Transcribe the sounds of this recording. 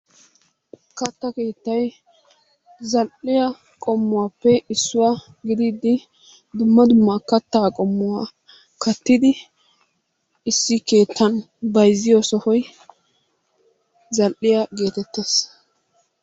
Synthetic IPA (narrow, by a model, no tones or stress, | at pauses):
kɐt̪ːɐke̞ːt̪ːɐj | zɐlʔɪjɐ | kʼɔmːʊwaːpːɛɪsːʊwa | ɡɪd̪iːd̪ɪ | d̪ʊmːɐd̪ʊmːɐkɐt̪ːaːkʼɔmːʊwa | kɐt̪ːɪd̪ɪ | ɪsːɪke̞ːt̪ʰːɐn | bɐjzːɪjosɔhɔj | zɐlʔɪjɐɡe̞ːt̪ɛt̪ːes